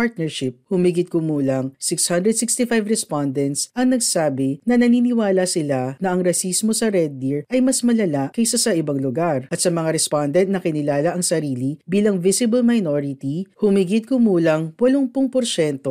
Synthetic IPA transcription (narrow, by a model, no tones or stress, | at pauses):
paɹt̪̚nɛɹʃɪp̚hʊmiɡɪt̪̚kʊmuːlɐŋsɪkshand̪ɾɛd̪sɪkst̪ifajvɾɛspand̪ɛnt̪sʔɐŋnɐɡsaːbɪnɐnɐniːnɪwaːlɐsɪlanɐʔɐŋɾɐsismo̞sɐɾɛd̪̚ːiɹʔɐjmɐsmɐlɐlakɐjsasɐʔɪbɐŋlʊɡaɾʔɐt̪̚sɐmɐŋaɾɛspand̪ɛnt̪nɐkɪnɪlaːlɐʔɐŋsɐɾiːlibiːlɐŋvɪsɪbɐlmɐjnoːɾɪt̪ihʊmiɡɪt̪̚kʊmuːlɐŋwɐloŋpʊŋpoɾʃɛnt̪o̞